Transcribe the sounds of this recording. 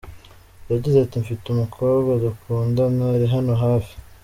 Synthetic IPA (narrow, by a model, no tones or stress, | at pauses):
jaɟizeatiɱfitumukʰoβɡadukʰuːndanaɾiɦano̞ɦaːfi̥